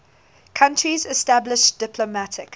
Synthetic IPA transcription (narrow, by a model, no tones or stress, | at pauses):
kʰãntɹizɪstablɪʃd̥ɪpʰləmatʰɪk